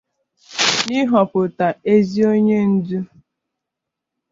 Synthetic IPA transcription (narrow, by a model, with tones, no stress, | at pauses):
ni˦ɦɔ˨pʊ˨ta˨e˦zi˦o˦ɲe˦n̩˦du˦